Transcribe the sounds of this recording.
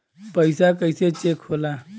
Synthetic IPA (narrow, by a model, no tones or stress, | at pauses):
pəɪsakəjset͡ʃekʰhola